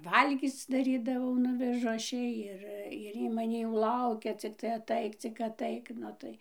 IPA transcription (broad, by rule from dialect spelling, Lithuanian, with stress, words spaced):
ˈʋɐlʲɡʲiːt͡s dɐˈrʲiːdɐʋɐʊ ˈnʊʋʲɛʒʊ ˈɐʃ ˈjɛɪ ˈɪr ɪr ˈiː mɐˈnʲiː jɛʊ ˈlˠɐʊkʲɛ t͡sʲɪkˈtɐɪ ɐˈtɐɪk t͡sʲɪk ɐˈtɐɪk ˈnʊ tɐɪ